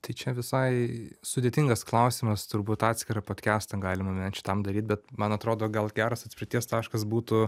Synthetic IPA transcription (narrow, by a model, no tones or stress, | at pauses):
t̪ɐɪt͡ʃʲɛʋʲɪsɐɪsʊd̪ʲeːt̪ʲɪŋɡɐsklˠɐʊsʲimɐst̪ʊrbuːt̪ɑːt̪ʲsʲkʲɪɾɐpoːt̪ʲkʲæːst̪ɐɡɑːlʲɪmɐmʲɛnʲt͡ʃʲɪ̥t̪ɐmd̪ɐɾʲiːt̪bʲɛt̪mɐnɐt̪ɾoːd̪oːɡɐlˠɡʲæːɾɐsɐt̪ʲsʲpʲɾɪtʲiɛst̪ɑːʃkɐs̬buːt̪ʊ